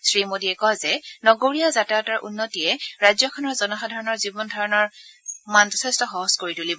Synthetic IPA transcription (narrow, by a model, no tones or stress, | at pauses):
sɹimodiɛkɔɦzɛnɔɡoɹiazataɔtaɹʔṵnːɔtiɛɹajzɔkʰɔnɔɹzɔnɔxadʱaɹɔnɔɹzibɔndʱɔɹɔnɔɹmand͡ʒɔtʰɛstɔxɔɦɔz̥koɹitulib